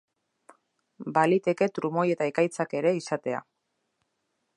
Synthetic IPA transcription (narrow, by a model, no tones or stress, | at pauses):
balit̪e̞ke̞t̪ɾumo̞je̞t̪aekajt͡sake̞ɾe̞isat̪e̞a̰